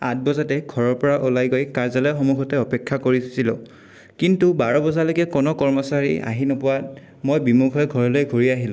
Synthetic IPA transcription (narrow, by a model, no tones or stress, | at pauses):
at̚bɔzatɛɡʱɔɹɔɹpɔɹaʔulajɡojkaɹzalɔjxɔmuɡʱɔtɛɔpɛkʰːakoɹisilɔ | kintubaɹɔbɔzalojkɛkɔnɔkɔɹmɔsaɹḭa̰ɦinɔpʊwat | mojbimuɡʰʱɔɛɡʱɔɹɔlojɡʱoɹiaɦilʊ̃